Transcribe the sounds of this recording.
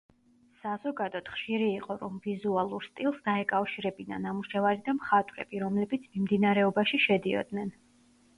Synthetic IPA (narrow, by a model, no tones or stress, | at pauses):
sazɔɡad̪ɔt̪χʃiɾiːqʼɔɾɔmvizualˠuɾst̪ʼilˠsd̪aɛkʼafʃiɾɛbina̰namuʃɛvaɾid̪amχat̪ʼwɾɛ̰b̥iɾɔmlɛbit̪sʰmimd̪inaɾɛɔbaʃiʃɛd̪iɔ̰d̪nɛn